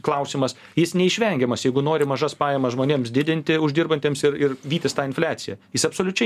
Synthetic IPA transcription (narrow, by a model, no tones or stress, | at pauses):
klˠɐʊsʲɪmɐs | jɪsnʲɛɪʃʲʋʲɛŋʲɡʲɛmɐsjɛɪɡʊnoːɾʲɪmɐʒɐspɑːjɛmɐsʒmoːnʲeːmsd̪ʲɪd̪ʲɪnʲt̪ʲɪʊʒʲd̪ʲɪrbɐnʲt̪ʲeːmsɪɾɪrʋʲiːt̪ʲɪst̪ɑːɪnfʲlʲæːt̪sʲɪjɛjɪsɐpsoːlʲʊt͡ʃʲɛɪ